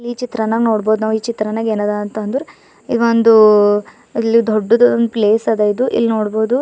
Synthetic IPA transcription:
ilːiːt͡ʃit̪ɾɐnɐnoːɽboːd̪unɐʋiːt͡ʃit̪ɾɐnɐɡeːnaːd̪ant̪ɐnd̪uɾu | iond̪u | ilːid̪oɖːunupleːsɐd̪eid̪uʔḭlːinoːɽboːd̪u

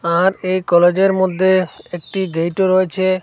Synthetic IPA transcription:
aɾejkɔled͡ʑeɾmod̪ʱːeek̚ʈiɡejʈoɾoet͡ɕʰe

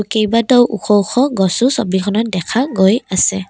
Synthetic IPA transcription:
ukejbadɔwʔṵxʰɔuxɔɡɔsusɔbikʰɔnɔt̚dɛkʰaɡojasɛ

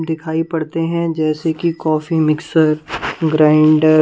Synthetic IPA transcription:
d̪ɪkʰaːipɐɽt̪eɦɛ̃d͡ʒɛːsekikɔːfimɪksəɾɡɾãːɪɳɖ

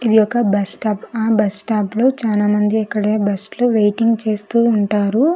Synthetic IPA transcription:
id̪ijɔkɐbɐsʈaːpaːbɐsʈaːplo̞ːt͡ʃaːlaːmɐnd̪iɐkːɐɽeːbɐsʈloːʋejʈiŋɡt͡ʃe̞ːst̪uːɳʈaːɾu

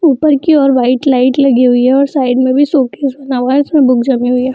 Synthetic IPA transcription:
uːpəɾkiɔːɾʋaːɪʈlaːɪʈlɐɡiɦʊiɦɛɔːɾsaːɪɖmẽbʱisoːkeːsbɐnaːʋaɪsmẽbʊk̚ʰd͡ʒɐmiɦʊiaː

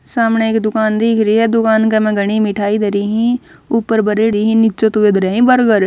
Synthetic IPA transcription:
saːmɳeːɪkd̪ʊkaːnd̪eːkʰɾiːɦɛːd̪ʊkaːnkɛmɛ̃ːɡəɳ̃iːmɪʈʰaːiːd̪eɾiːɦĩː | ʊpːəɾbəɾeːɾiːɦĩːnɪt͡ʃõːt̪ːʋeːd̪ɾɛːɦĩːbəɾɡəɾ

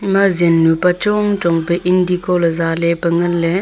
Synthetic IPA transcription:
imazenːupat͡ʃɔŋt͡ʃɔŋpeʔindikɔləzalepəŋənle

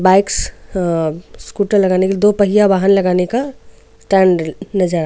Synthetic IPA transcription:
baɪks | skuʈəɾlɐɡaːnekelid̪opəɦijabaːɦənlɐɡaːneka | ʈɛ̃ɳɖnəd͡ʒəɾa

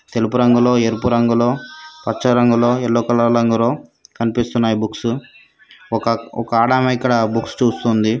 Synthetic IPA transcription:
t̪e̞lupuɾɐŋɡulo̞ːeɾpuɾɐŋɡuloːpɐt͡ʃːt͡ʃːɐɾɐŋɡulo̞ːɛlːoːkɐlɐɾɐŋɡulo̞ːkɐnipist̪unːaːjibuksu | ɔkɐɔkɐaːɽaːmɐikːɐɽɐbukst͡ʃuːst̪und̪i

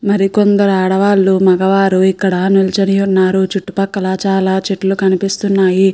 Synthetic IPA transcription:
mɐɾiko̞nd̪ɐɾuaːɽɐʋaːlːumɐɡɐʋaːɾuikːɐɽɐnulɐt͡ʃɐnijunːaːɾut͡ʃuʈːupɐkːɐlaːt͡ʃaːlaːt͡ʃeʈːlukɐnipist̪unːaːji

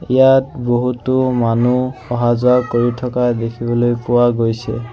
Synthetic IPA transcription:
ijat̚boɦutʊmanuɔɦazʊakoɹitʰɔkadekʰibɔlojpʊwaɡojsɛ̰

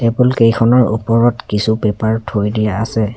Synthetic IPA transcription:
ɛbulkejkʰɔnɔɹṵpɔɹɔtkisubɛpaɹtʰojdijaa̰sɛ

